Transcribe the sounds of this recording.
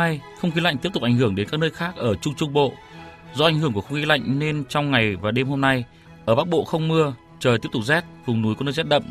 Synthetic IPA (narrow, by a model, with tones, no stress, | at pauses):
jxə˧wŋ͡mxi˨˦la̰˧˨ŋ̟t̪i˦˥əp̚tʊ˨˩k̚ʔŋ̟hɨ˧˩əŋɗe˨˦nkaː˦˥k̚nəː˧jxaː˦˥k̚ʔəː˧˩t͡ɕʊ˧ŋ͡mt͡ɕʊ˧ŋ͡mɓo̰˧˨ | zɔ˧a˨˩ŋ̟hɨ˧˩əŋku˧˩xə˧wŋ͡mxi˨˦la̰˧˨jŋ̟ne˧nt͡ɕɔ˧wŋ͡mŋa˨˩jvaː˨˩ɗe˧mho˧mna˧j | ʔəː˧˩ɓaː˦˥k̚ɓo̰˧˨xə˧wŋ͡mmɨ˧ə | t͡ɕəː˨˩jt̪i˦˥əp̚t̪ʊ˨˩k̚zɛ˦˥t̚vʊ˨˩ŋ͡mnu˨˦jkːnəː˧jzɛ˦˥t̚ɗə̰˧˨m